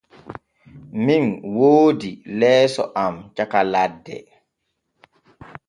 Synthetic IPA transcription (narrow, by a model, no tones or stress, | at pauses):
minwoːdilɛːsɔ̰ʔamt͡ʃakaladːɛ̰